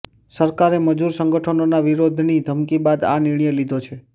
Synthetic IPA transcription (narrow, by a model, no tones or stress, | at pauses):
səɾkaɾeməd͡ʒuɾsəŋɡəʈʰənonaʋiɾod̪ʱnid̪ʱəmkibad̪a̰niɽ̃jelid̪ʱot͡ʃʰe